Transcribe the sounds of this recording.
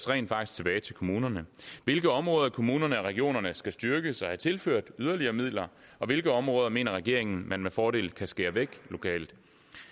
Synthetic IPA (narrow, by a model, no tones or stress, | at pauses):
sʁɛ̰ɪnfɑ̈ɡ̥isɡ̥̚t͡sʰe̝b̥ɛːɪt͡sʰe̝lkʰomuːnɐnəʋe̝lɡ̥əɒ̽mʁɔ̽ːðˠɐkʰo̝muːnɐnəæʁɛɡ̥io̝̰ːnɐnəsɡ̥æsd̥yɐɡ̥əsɒ̽hæt͡sʰe̝lføɐ̰d̥yð̞ˠɐliɐːmið̞̰ˠlɐ | ɒ̽ʋe̝lɡ̥əɒ̽mʁɔ̽ːð̞ˠɐme̝̰ːnɐʁɛɡ̥e̝̰ɐ̰e̝ŋn̩mænmefɒːɾe̝̰ːlkʰæsɡ̥eːɐʋeɡ̥lo̝kʰɛ̰ːld̥